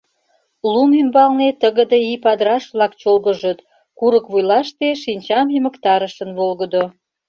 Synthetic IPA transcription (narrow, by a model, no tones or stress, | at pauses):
lumymbɑlnet̪əɣəd̪eipɑd̪ɾɑʃβlɑk̚t͡ɕolɣəʒət̪ | kuɾəkβujlɑʃt̪eʃinʲt͡ɕɑmjəmə̆kt̪ɑɾəʃə̆nβolɣə̆d̪o